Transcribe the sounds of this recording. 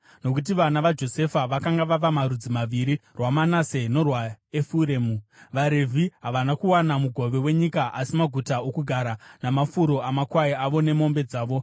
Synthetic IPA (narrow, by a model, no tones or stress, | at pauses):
no̞kut̬iʋanaʋad͡ʒo̞se̞faʋakaŋɡaʋaʋamaɾud͡zimaʋiɾirwamanase̞no̞rwaefuɾeːmuʋaɾe̞vʱiɦaʋanakuwanamuɡʱo̞ʋe̞we̞ɲikaʔasimaɡʱutaokuɡʱaɾanamafuɾo̞amakwaiaʋo̞ne̞mombe̞d͡zaːʋo̞